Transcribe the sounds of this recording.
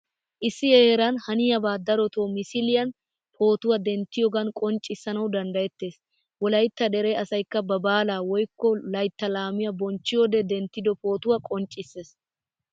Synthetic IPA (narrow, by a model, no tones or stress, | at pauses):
ʔɪsːɪjeːɾɐnhɐnɪjɐbaːd̪ɐɾɔt̪oːmɪsɪlɪjɐn | pʰo̞ːt̪ʊwɐd̪ɛnt̪ːɪjɔɡɐnkʼɔnt͡ʃʼːɪsːɐnɐwd̪ɐnd̪ɐjɛt̪ːe̞ːs | wɔlɐjt̪ːɐd̪ɛɾe̞ːɐsɐjkːɐbɐbaːlaːwɔjkːɔlɐjt̪ːɐlaːmɪjɐbɔnt͡ʃːɪjod̪ɛd̪ɛnt̪ːɪd̪ɔpo̞ːt̪ʊwɐkʼɔnt͡ʃʼːɪsːe̞ːs